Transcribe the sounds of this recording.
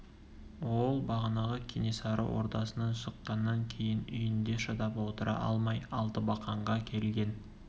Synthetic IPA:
wo̞lˠbɑʁənɑʁəkʲʰinesɑɾə̰wʔo̞̰ɾt̪ɑsənɑnʃəqːɑnːɑŋkʲʰe̞jɪnʏjɪnd̪e̞ʃɑd̪ɑpwo̞t̪əɾɑ̰ʔɑ̰lˠmɑjɑlˠt̪əbɑqɑɴʁɑkʲʰe̞lɡʲe̞n

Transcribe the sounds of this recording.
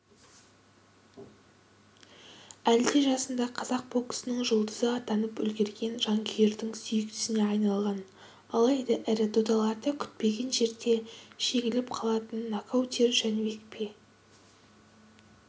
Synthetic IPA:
æld̪eʒɑsənd̪ɑqʰɑzɑq̚bo̞kə̥sənəɴʒolˠd̪əzəɑt̪ɑnəpʏlɡʲe̞ɾɡʲe̞nʒɑŋkʲʰeɾd̪ɪŋsʏjɪk̚t̪ɪ̥sɪne̞ɑjnɑlˠʁɑn | ɑlˠɑjd̪ɑʔæɾɪd̪ʰod̪ɑlˠɑd̪əkʲʰʏ̥t̪̚pe̞ɡʲe̞nʒe̞ɾd̪e̞ʃe̞ɡʲɪlɪp̚qʰɑlˠɑt̪ənːakʰawt̪ʲeɾʒænewek̚pʰe

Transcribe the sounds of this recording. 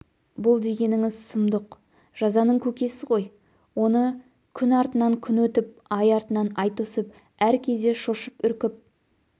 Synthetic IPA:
bʊlˠd̪e̞ɡʲe̞nɪŋɪzsʊmd̪əq | ʒ̥ɑzɑnəɴkʲʰɵkʲe̞sɪʁo̞j | wo̞nə | kʲʰʏnɑɾt̪ənɑŋkʲʰʏnwɵt̪ɪp̚ | ɑjɑɾt̪ənɑnɑjt̪osəp | æɾkʲʰe̞d̪e̞ʃoʃəpʏɾkʲɪp̚

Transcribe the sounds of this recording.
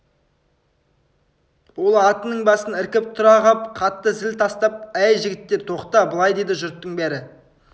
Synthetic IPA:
wo̞lˠɑt̪ənəɴbɑsənɪɾkʲɪp̚t̪ʰʊɾɑʁɑp̚qʰɑt̪ːəzɪlt̪ʰɑst̪ɑp̚æjʒɪɡʲɪt̪ːe̞ɾt̪ʰo̞qt̪ɑbəlˠɑjd̪e̞jd̪ɪʒʊɾt̪ːəɴbæɾɪ

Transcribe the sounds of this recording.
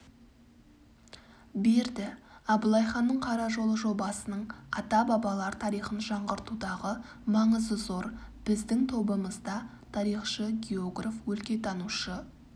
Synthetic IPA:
be̞ɾd̪ɪɑbʊlˠɑjχɑnːəɴqʰɑɾɑʒo̞lˠəʒo̞bɑsənəɴɑt̪ɑbɑbɑlˠɑɾt̪ʰɑɾijχənʒɑɴʁəɾt̪ud̪ɑʁə | mɑɴəzəzo̞ɾb̥ɪzd̪ɪŋt̪ʰo̞bəməzd̪ɑ | t̪ʰɑɾijχʃəɡʲeoɡrafwɵlkʲe̞t̪ʰɑnuʃə

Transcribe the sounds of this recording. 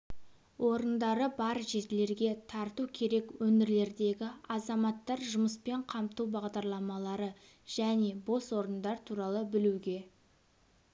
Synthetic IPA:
wʔo̞ɾənd̪ɑɾəbɑɾʒe̞t̪ɪle̞ɾɡʲe̞t̪ʰɑɾt̪ukʲʰe̞ɾe̞kwɵnɪɾle̞ɾd̪e̞ɡʲɪɑzɑmɑt̪ːɑɾʒʊməspe̞ɴqʰɑmt̪uwbɑʁd̪ɑɾlˠɑmɑlˠɑɾə | ʒ̥æne̞bo̞swo̞ɾənd̪ɑɾt̪ʰuɾɑlˠəbɪluɡʲe̞

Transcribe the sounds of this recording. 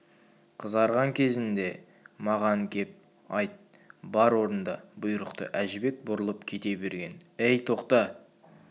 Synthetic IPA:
qʰəzɑɾʁɑŋkʲʰe̞zɪnd̪e̞ | mɑʁɑŋkʲʰe̞p̚ | ɑjt̪̚ | bɑɾwo̞ɾənd̪ɑbʊjəɾəqt̪ə̰ʔæʒɪbe̞k̚bʊɾəlˠəpkʲʰe̞t̪e̞be̞ɾɡʲe̞nejt̪ʰo̞qt̪ɑ

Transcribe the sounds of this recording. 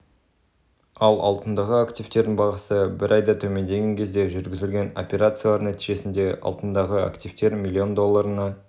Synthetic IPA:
ɑlˠɑ̰lˠt̪ənd̪ɑʁəakt̪ift̪e̞ɾd̪ɪnbɑʁɑsəbɪɾʔɑjd̪ɑt̪ʰɵme̞nd̪e̞ɡʲe̞ŋkʲʰe̞zd̪e̞ʒʏɾɡʲɪzɪlɡʲe̞no̞̰pʲe̞ɾat̪sɨjalˠɑɾnæt̪iʒe̞sɪnd̪e̞ʔɑ̰lˠt̪ənd̪ɑʁəa̰kt̪ift̪e̞ɾmʲilʲːio̞nd̪o̞lˠːɑɾənɑ

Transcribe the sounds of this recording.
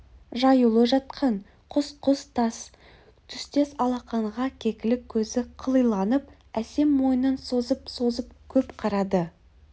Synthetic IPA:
ʒɑjulˠəʒɑt̪̚qʰɑn | qʰʊsqʊst̪ʰɑs | t̪ʰʏst̪e̞sɑlˠɑqɑɴʁɑkʲʰe̞kʲɪlɪkʲʰːɵzɪqʰəlˠəjlˠɑnəp̚ | æse̞mːo̞jənənso̞zəpso̞zəp̚kʲʰɵpqʰɑɾɑd̪ə

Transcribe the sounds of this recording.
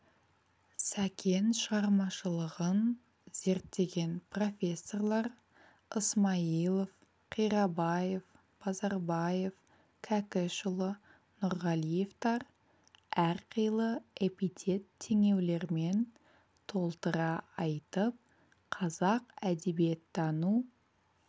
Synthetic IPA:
sækʲʰe̞nʃəʁɑɾmɑʃəlˠəʁən | z̥e̞ɾt̪ːe̞ɡʲe̞npro̞fʲe̞sːo̞rlˠɑɾ | əsmɑilˠof | qʰijɾɑbɑje̞f | b̥ʰɑzɑɾbɑje̞f | kʲʰækʲɪʃʊlˠə | nʊɾʁɑlije̞ft̪ɑɾ | æɾqʰəjlˠəepit̪ʲʰe̞t̪ʰːe̞ŋe̞wle̞ɾme̞n | t̪ʰo̞lˠt̪əɾɑɑjt̪əp̚ | qʰɑzɑqæd̪e̞bie̞t̪ʰːɑnu

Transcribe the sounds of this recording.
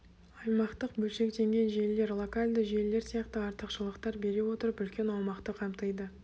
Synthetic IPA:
ɑjmɑqt̪əq̚bɵlʃe̞k̚t̪e̞ŋɡʲe̞nʒe̞lle̞ɾlˠo̞kalʲd̪əʒe̞le̞ɾsijɑqt̪əɑɾt̪əqʃəlˠəqt̪ɑɾbe̞ɾe̞wo̞t̪əɾəpʏlkʲe̞nɑwmɑqt̪əqʰɑmt̪əjd̪ə

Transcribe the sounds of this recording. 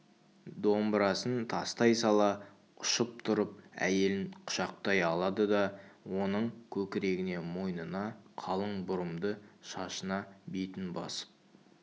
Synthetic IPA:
d̪o̞mbɾɑsənt̪ʰɑst̪ɑjsɑlˠɑ | ʊʃəp̚t̪ʰʊɾəp̚æ̰je̞lɪnqʰʊ̥ʃɑq̚t̪ɑjɑlˠɑd̪əd̪ɑwo̞nəɴkʲʰɵkʲɪɾe̞ɡʲɪne̞mo̞jnənɑqʰɑlˠəɴbʊɾəmd̪əʃɑʃənɑbejt̪ɪnbɑ̰sə̥p̚

